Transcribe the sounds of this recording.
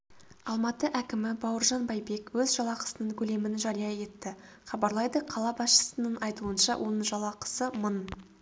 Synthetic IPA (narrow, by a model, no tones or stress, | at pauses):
ɑlˠmɑt̪əʔækʲɪmɪbɑwəɾʒɑnbɑjbe̞kwɵzʒɑlˠɑqʰə̥sənəɴkʲʰɵle̞mɪnʒɑɾijɑe̞t̪ːɪ | χɑbɑɾlˠɑjd̪əqʰɑlˠɑbɑsʃə̥sənəɴɑjt̪uənʃɑ̰wʔo̞nəɴʒɑlˠɑqʰə̥səmən